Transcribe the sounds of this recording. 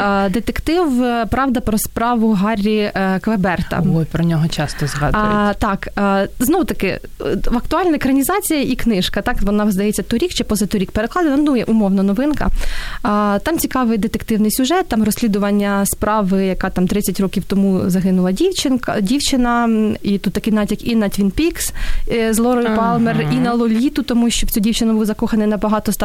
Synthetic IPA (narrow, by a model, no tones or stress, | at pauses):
d̪et̪ekt̪ɪwpɾɑʋd̪ɐpɾɔspɾɑʋʊɦɑrʲːikʋebɛrt̪ɐ̰ɔpɾɔnʲɔɦɔt͡ʃɑst̪ɔzɦɑd̪t̪ɑkːznɔwʊt̪ɐkɪ̰ | ʋɐkt̪ʊɑlʲnɐkɾɐnʲizɑt͡sʲijɐʔiknɪʃkɐt̪ɑkʋɔnɑzd̪ɐjɛt͡sʲːɐt̪ɔɾʲikt͡ʃɛpɔzɐt̪ɔɾʲik̚peɾeklˠɑd̪enɐnujɛʔʊmɔwnɐnɔʋɪnkɐ̰ | t̪ɑmt͡sʲikɑʋɪjd̪et̪ekt̪ɪwnɪjsʲʊʒɛt̪̚ːɑmrɔsʲlʲid̪ʊʋɐnʲːɐspɾɑʋɪjɐkɑt̪ɑmt̪ɾɪt͡sʲːɐtʲrɔkʲiwt̪ɔmuzɐɦɪnʊlˠɐdʲiwt͡ʃɪndʲiwt͡ʃɪnɐit̪ut̪ːɐkɪjnɑtʲɐkinɐt̪ʲʋʲinpʲikszlˠɔɾɔjʊpɑlˠmerinɐlˠɔlʲit̪ʊt̪ɔmuʃʲt͡ʃɔwt͡sʲudʲiwt͡ʃɪnɐbuwzɐkɔxɐnɪjnɐbɐɦɑt̪ɔs